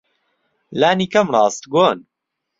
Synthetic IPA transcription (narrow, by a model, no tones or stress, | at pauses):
laːniːkɐmrˤɑːst̪ɡoːn